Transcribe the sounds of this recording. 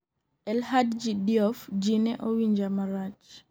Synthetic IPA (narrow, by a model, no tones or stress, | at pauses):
ʔɛlhadd͡ʒidiɔfd͡ʒinɛʔɔwiɲd͡ʒamaɾat͡ʃ